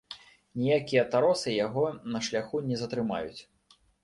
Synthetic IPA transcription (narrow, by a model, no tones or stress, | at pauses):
nʲijakʲijɐt̪aɾɔsɨjaɣɔnɐʂlʲaxunʲɛzɐt̪ɾɨma̰jut͡sʲ